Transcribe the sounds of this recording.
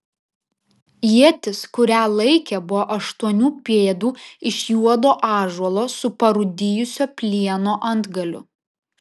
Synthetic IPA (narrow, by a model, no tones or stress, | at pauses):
jiɛt̪ʲɪskʊɾʲæːlˠɐɪkʲɛbʊʋoːʔɐʃt̪uɔnʲuːpʲeːd̪uːɪʃʲjuɔd̪oːʔɑːʒuɔlˠoːsʊpɐɾʊd̪ʲɪjʊsʲoːpʲlʲiɛnoːʔɐnd̪ɡɐlʲʊ̰